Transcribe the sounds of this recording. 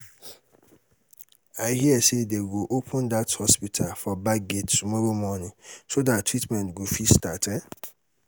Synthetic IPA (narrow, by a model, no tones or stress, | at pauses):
aɪɦiɛsedeɡoʔopʰə̃ndathɔspitʰafɔbaɡettːumɔɾomɔnĩsodattːɹitmɛ̃ntɡofistatɛ